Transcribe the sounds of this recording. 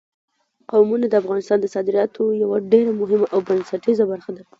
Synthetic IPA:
qawmunad̪əafɣɑnɪst̪ɑnd̪əsɑd̪ɪɾjɑt̪ʰojawaɖeɾamʊɦɪmaʔawbansaʈizabaɾxad̪a

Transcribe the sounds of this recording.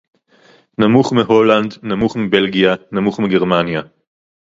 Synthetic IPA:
namuχmiɦo̞landnamuχmibe̞lɡijanamuχmiɡeʁmanja

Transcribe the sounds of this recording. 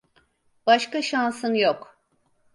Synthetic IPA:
b̥aʃkaʃansɯnjok

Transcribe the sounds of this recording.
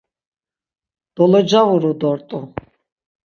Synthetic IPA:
d̪̥ɔlɔd͡ʒavuɾud̪ɔɾt̪ʼu

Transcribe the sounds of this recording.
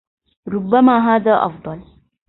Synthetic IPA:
ɾʊbːamaːɦaːðaːʔɐ̰fd̪ˤɑl

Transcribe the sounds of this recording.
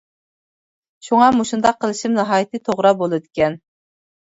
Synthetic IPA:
ʃuŋɑmuʃund̪ɑqʰːəlˠɨʃimnɨɦɑːjit̪ʰɨt̪ʰoʁɾɑbolˠɨd̪ɪkʲɛn

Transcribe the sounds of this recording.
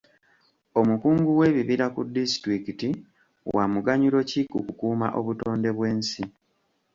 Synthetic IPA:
o̞mukuːŋɡuwe̞ːβiβiɾakṵdistɾikiti | wa̰muɡaɲulo̞cikukukuːma̰ʔo̞βuto̞ːnde̞βwe̞ːnsi

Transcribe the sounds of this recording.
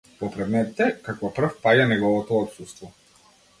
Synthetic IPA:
pɔpɾɛd̪mɛt̪it̪ɛkakvɔpr̩fpaɟanɛɡɔvɔt̪ɔːt̪sust̪vɔ

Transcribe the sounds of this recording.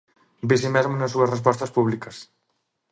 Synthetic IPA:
besimɛzmonɐsːuɐsrespɔst̪ɐspuβlikɐs

